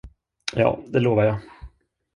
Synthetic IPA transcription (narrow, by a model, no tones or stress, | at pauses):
jɑ̰ːd̪ɛloːvaɾjɑ